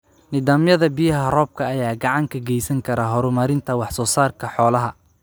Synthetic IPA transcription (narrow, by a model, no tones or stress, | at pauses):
nɪðaːmjɐðɐbɪjɐɦɐrɔːb̚kʰɐːjaːɡɑʕɑŋkʰɐɡɛjsɐŋkʰɐɾɐɦɔɾʊmɐɾɪnt̪ʰɐwɑħsɔːsaːrkʰɐħɔːlɐɦɐ